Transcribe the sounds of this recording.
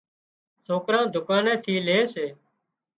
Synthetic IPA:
sʰoːkɾãːd̪ʱʊkaːnɛ̃ːt̪ʰiːleːseː

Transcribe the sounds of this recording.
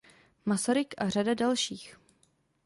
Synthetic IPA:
masaɾɪkʔar̝adadalʃiːx

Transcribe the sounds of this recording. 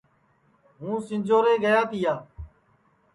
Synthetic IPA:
ɦũːsɪ̃nd͡ʒoːɾeːɡəjaːt̪ijaː

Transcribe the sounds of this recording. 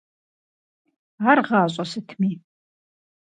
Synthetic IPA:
arʁaːɕʼasɨtʰmi

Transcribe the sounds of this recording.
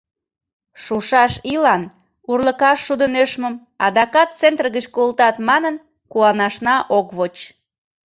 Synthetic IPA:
ʃuʃɑʃilɑn | urləkɑʃːud̪ənøʃməm | ɑ̰d̪ɑkɑt̪̚t͡sent̪rɣət͡ɕkult̪ɑt̪mɑnən | kuɑnɑʃnɑʔokβot͡ɕ

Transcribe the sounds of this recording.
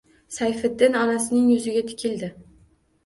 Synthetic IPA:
sajfɪd̪ːɪnɒnasɪnɪŋjɵzɪɡʲat̪ʰɪ̥kʲʰɪld̪ɪ

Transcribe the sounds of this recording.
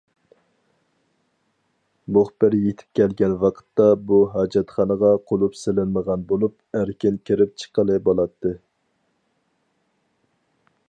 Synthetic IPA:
boχpɪɾjet̪ʰɪ̥p̚kʲʰɛlɡʲɛnwɑqʰə̥t̪ːɑbuɦɑːd͡ʒɛt̪χɑnəʁɑqʰolˠupselɪnməʁɑnbolˠup | æɾkʲɪnkʲiɾɪp̚t͡ʃʰə̥qʰəlˠɨbɑlˠɑt̪ʰːɨ

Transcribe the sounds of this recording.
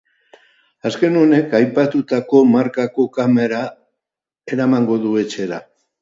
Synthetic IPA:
aske̞no̞ne̞kajpat̪ut̪ako̞maɾkako̞kame̞ɾa | e̞ɾamaŋɡo̞ðue̞t͡ʃe̞ɾa̰

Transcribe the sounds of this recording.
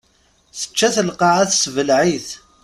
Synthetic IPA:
θə̥t͡ʃːæθəlqɑʕæθsəvəlʕiθ

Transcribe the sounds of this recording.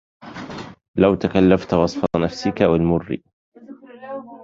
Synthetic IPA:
lawt̪akalːaft̪wɑsˤfɑnafsɪkawɪlmʊrːḭ

